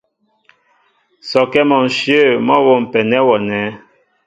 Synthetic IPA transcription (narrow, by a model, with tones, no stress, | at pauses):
sɔ˨kɛ˦mɔ˨n̩˨ʃjə˦˨mɔ˦wɔ˨m̩˨pɛ˨nɛ˦wɔ˨nɛ˨˦